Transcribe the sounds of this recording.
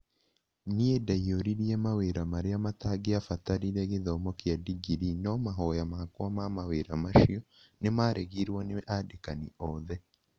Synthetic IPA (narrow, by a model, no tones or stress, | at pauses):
niedaioɾiɾiemaweɾamaɾeamataɡeafataɾiɾeɣeðɔmɔkjadiɡiɾinɔmaɦɔjamakoamamaweɾamaʃiɔ | nemaːɾʔeɣiɾwɔneʔadekaniɔðɛ